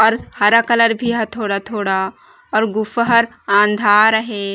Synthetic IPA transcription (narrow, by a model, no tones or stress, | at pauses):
ɔːɾhɐɾakɐləɾbʱiɦɐt̪ʰoːɽat̪ʰoːɽa | ɔːɾɡʊfɦɐɾ | ãːnd̪ʱaːɾɐɦe